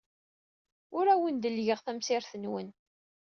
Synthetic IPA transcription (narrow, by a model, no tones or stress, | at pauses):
ʊɾæwənd̪əlʝəʁθæmsɪɾθənwə̰n